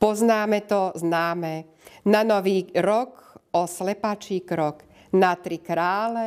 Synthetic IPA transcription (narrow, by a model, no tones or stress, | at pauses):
pɔznaːmɛt̪ɔznaːmɛ | nanɔʋiːɾɔkɔslɛpat͡ʃiːkɾɔk | nat̪ɾikɾaːlɛ